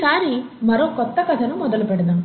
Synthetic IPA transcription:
saːɾi | mɐɾoːkɔt̪ːɐkɐðɐnɐmːɔðɐlɯpɛɽɯðãːŋ

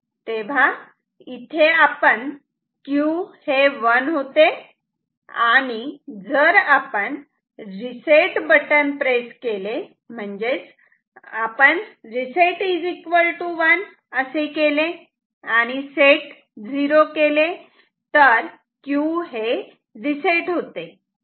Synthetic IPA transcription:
t̪eʋ̤a | it̪ʰeapəɳ | kjuheʋənɦot̪e | aɽ̃id͡zəɾapəɳ | ɾiseʈbəʈənpɾeskele | m̤əɳd͡ʑet͡s | apəɳɾiseʈid͡zikʋəlʈuʋən | əsekele | aɽ̃iseʈ | d͡ziɾokele | t̪əɾ | kjuɦe | ɾiseʈɦot̪e

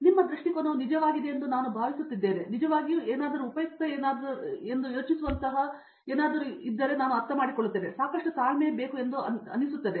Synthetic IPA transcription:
nimːɐd̪ɾuʂʈikonɐnid͡ʒɐʋaːɡid̪eend̪unaːnubʱaːʋisut̪ːid̪ːe̞ːʋe̞nid͡ʒɐʋaːɡijueːnaːd̪ɐɾuːpɐjɐk̚t̪ɐeːnaːd̪e̞nd̪ujo̞ːt͡ʃisuʋɐnt̪ɐɦɐ | eːnaːd̪ɐɾuid̪ːɐɾe̞naːnuɐɾt̪ɐmaːɽikoɭːut̪ːeːʋesaːkɐʂʈusaːlmeːbe̞ːkue̞nd̪uɐɐ̰nːisut̪ːɐd̪e

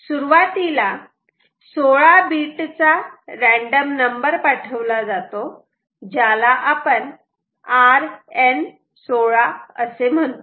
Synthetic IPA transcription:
suɾuʋat̪ila | soɭabiʈt͡saɾɛ̃ɳɖəmnəmbəɾpaʈʰəʋlad͡zat̪o | d͡ʑjalaʔapəɳ | aɾen | soɭaə̰sem̤əɳt̪

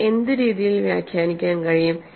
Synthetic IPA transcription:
e̞nd̪ɨɾiːðijilʋja̰ːkʰjaːnikʲːaːnkɐɻijum

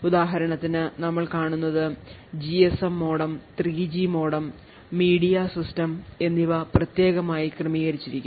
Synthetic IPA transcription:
ud̪aːɦɐɾɐɳɐt̪ːinɨnɐmːɐɭkaːɳunːɐðɨd͡ʑiesɐmːo̞ːɽɐmt̪riːd͡ʑimoːɽɐmː | iːɽijɐsistɐme̞nːiʋɐprɐt̪je̞ːɣɐmaːjikrɨmiːɣɐɾit͡ɕːiɾikʲːum

